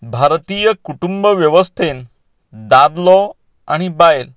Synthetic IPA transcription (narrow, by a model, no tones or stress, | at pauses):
bʱaɾt̪ijəkuʈumbəʋjəʋəst̪ʰen | d̪ad̪lɔ | a̰ɽ̃ibael